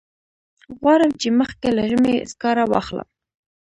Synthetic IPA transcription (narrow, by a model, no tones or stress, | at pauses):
ɣwɑɾəmt͡ʃeməxkelaʒəmḛskɑɾawɑ̰χlə̰m